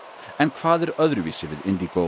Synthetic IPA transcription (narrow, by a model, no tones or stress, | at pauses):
ɛnkʰv̥aːðɛɾœðɾʏviːsɪvɪðɪnd̪iɡ̥o